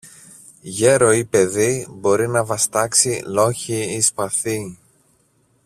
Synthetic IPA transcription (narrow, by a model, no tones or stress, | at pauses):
ʝe̞ɾo̞ipe̞ðibo̞ɾinɐvɐst̪ɐksilo̞çiispɐθi